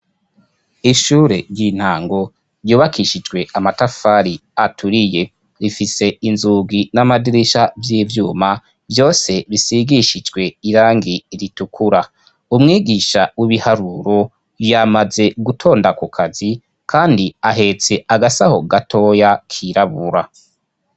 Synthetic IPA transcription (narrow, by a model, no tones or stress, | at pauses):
iʃuːɾe̞ɾjin̥haːŋɡo̞ | ɾjuːβakʰiʃid͡ʒɡwe̞ʔamatafaɾiatʰuɾije̞ | ɾifise̞inzuːɡinamadiɾiʃavjiːvjuːma | vjo̞ːse̞βisiɡiʃid͡ʒɡwe̞iɾaːŋɡiɾitukʰuɾa | umŋiːɡiːʃawiβihaɾuɾo̞ | jamaze̞ɡutʰo̞ːndakukʰazi | kʰaːndiaɦe̞t͡se̞aɡasaho̞ɡatʰo̞jakʰiɾaβuɾa